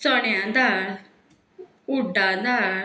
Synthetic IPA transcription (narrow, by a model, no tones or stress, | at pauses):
sɔɳjãd̪a | uɖad̪a